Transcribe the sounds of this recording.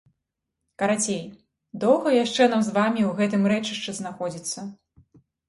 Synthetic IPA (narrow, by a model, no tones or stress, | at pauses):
kɐɾat͡sʲej | d̪ɔwɣɐjaʂt͡ʂɛnamzvamʲiwɣɛt̪ɨmɾɛt͡ʂɨʂt͡ʂɛznaxɔd͡zʲit̪sːɐ